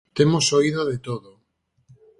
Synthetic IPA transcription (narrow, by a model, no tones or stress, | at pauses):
t̪emosoiðoðet̪oðo